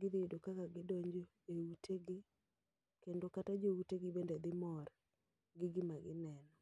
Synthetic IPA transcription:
ɡɪd̪ɪjdokakaɡɪdoɲd͡ʒo | ewuteɡe | kendokatad͡ʒouteɡɪbended̪ɪmɔr | ɡɪɡɪmaɡɪnɛnɔ

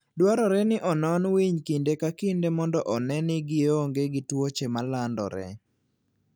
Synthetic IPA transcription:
dwaɾɔɾɛnɪʔɔnɔnwiɲkindekakindemɔndɔʔɔnɛnɪɡɪoŋɡeɡɪtwot͡ʃemalandɔ̰ɾɛ̰

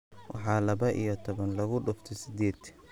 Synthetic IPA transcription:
wʔɑ̰ħɑːlɐβɐʔḭjɞt̪ʰɔβɐnlɐɣʊɖʊft̪ʰɛsɪd̪iːd̪̥

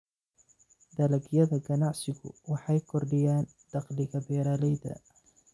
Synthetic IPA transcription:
d̪ɐlɐɡɪjɐðɐɡɐnɑʕsɪɣʊ̰wɑħɑjkʰɔrɖɪjaːn | d̪̥ɑqlɪɣɐbɛːɾaːlɛjd̪ɐ̰

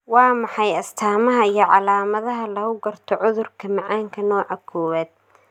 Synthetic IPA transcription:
wɑːmɑħɑjɐst̪ʰaːmɐɦɐijɞʕɑlaːmɐðɐɦɐlɐɣʊɡɐrt̪ʰɔʕʊðʊrkʰɐmɑʕaːŋkʰɐnɔːʕɐkʰɔːwɛːd̪̚

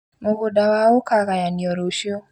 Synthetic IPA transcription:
moɣodawaokaɣajaniɔɾoʃjo

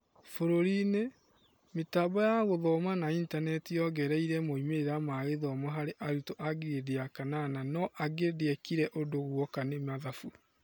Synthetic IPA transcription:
foɾoɾine | metaːbɔjaɣoðɔmanaintanɛtijɔɣɛɾɛiɾɛmoimeeɾamaɣeðɔmɔɦaɾeʔaɾutoʔaɡiɾedeakanananɔʔaɡedeɛkiɾɛʔodoɣwɔkanemaðafu

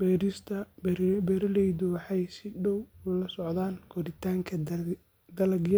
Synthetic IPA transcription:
bɛːɾɪst̪ʰɐbbɛɾɐlɛjðʊwɑħɑjsɪɖɔwʊlɐsɔʕd̪aːnɡʰɔɾɪt̪ʰaːŋkʰɐ | d̪ɐlɐɡjɐ

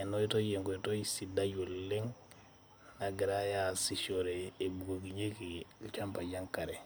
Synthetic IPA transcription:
enoitojeŋɡoitosidaɟolleŋ | naɡiɾajasiʃoɾeːbuɡoɡiɲekilt͡ʃampaɟaŋkaɾe

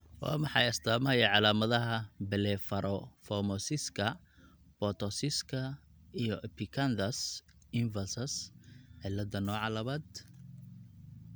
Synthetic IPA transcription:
wa̰ːmɑħɑ̰jɐst̪ʰaːmɐɐjɐʕɑlaːmɐðɐɦɐbɛlɛfɐɾʔɔfɔmɔsɪskʰɐ | bɔt̪ʰɔsɪskʰɐijɔʔɛpʰɪkʰɐnd̪ɐs | ɪɱvɐlsɐsʕɪlːɐd̪ɐnɔːʕɑlɐβaːd̪

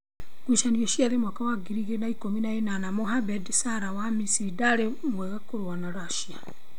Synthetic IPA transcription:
kwiʃaniɔʃiaðemwakawaɡiɾiɣenaikominaenanamoɦabɛdsaɾawamisiɾidaɾe | mwɛɣakoɾowanaɾaʃia

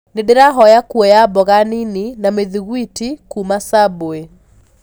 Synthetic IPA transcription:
nedeɾaɦɔjakuɔjabɔɣanininameðiɣwitikumasaboe

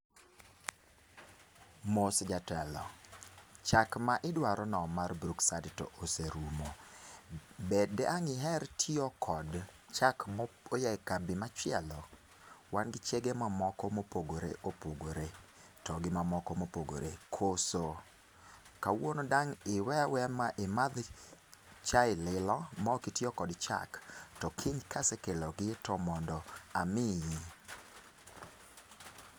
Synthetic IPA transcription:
mosd͡ʒatɛlɔ | t͡ʃakmaʔɪdwaɾɔnɔmarbɾuksadtɔ̰ʔoseɾumo | bedɛʔaŋɪɦɛɾtʰɪɔkʰɔd | t͡ʃakmojakabɪmat͡ʃɪɛlɔ | wanɡɪt͡ʃɛɡemamɔkɔmopoɡoɾḛʔopoɡoɾe | tɔɡɪmamɔkɔmopoɡo̰ɾekʰoso | kawonodaŋɪwɛawɛmaʔemad̪ | t͡ʃaɪlɪlɔmaokɪtjɔkɔdt͡ʃa̰ktɔkʰiɲkasɛkelɔɡɪtɔmɔndɔamɪji

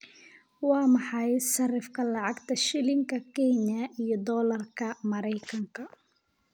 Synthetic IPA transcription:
wɑːmɑħɑjʃɐrɪfkʰɐlɑʕɑɡt̪ʰɐʃɪlɪŋkʰɐkʰɛnjɐʔijɔd̪ɔːlɐrkʰɐmɐɾɛjkʰɐŋkʰɐ

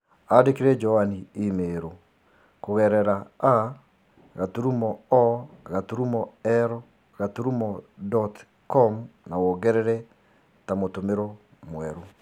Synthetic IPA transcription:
adekeɾɛd͡ʒɔaniimeɾo | koɣɛɾɛɾaa | ɣatuɾumɔɔɣatuɾumɔɛɾɔ | ɣatuɾumɔdɔt | kɔmnawoɣɛɾɛɾɛ | tamotomeɾo | mwɛɾu

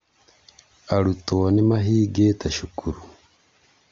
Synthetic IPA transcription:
aɾutonemaɦiːɡetaʃukuɾu

